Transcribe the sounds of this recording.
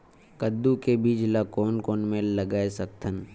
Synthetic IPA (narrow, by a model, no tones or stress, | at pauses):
kəd̪ːukebiːd͡ʒlakoːnkoːnmẽləɡaːesək̚t̪ʰən